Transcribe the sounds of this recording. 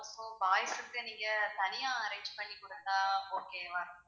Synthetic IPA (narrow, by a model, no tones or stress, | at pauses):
soːbaːjɐsɯkːɯniːŋɡɐt̪ɐnɪjaːɐɾɐɪɲd͡ʒpɐɭːikʊɽɐnd̪aːoːkeːʋɐɾʊ̃